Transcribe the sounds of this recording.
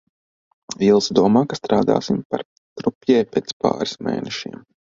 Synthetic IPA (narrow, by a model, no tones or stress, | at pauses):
vilˠsd̪uɔmaːkast̪ɾaːd̪a̰ːsimpa̰ɾ | t̪ɾupjɛːpeːt̪spa̰ːɾismḛːnɛʃiɛm